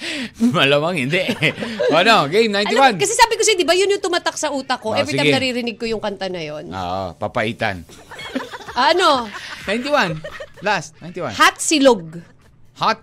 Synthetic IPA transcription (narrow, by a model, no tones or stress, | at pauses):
mɐlamɐŋhɪnd̪ɛʔoʔɐnoɡejmnajniwankɐsɛsaːbɪkosɛd̪ɪbajʊnjʊt̪ʊmaːt̪ak̚sɐʔuːt̪ɐkoʔɛbɾɪsajɡmɛnɐɾiːɾɪnɪɡ̚kojʊŋkɐnt̪ɐnɐjonʔo̰ʔo̰pɐpɐʔiːt̪a̰n | ʔɐʔɐnonajnt̪iwanlast̪̚najnt̪iwa̰nhat̪̚sɪloɡ̚ | hat̪̚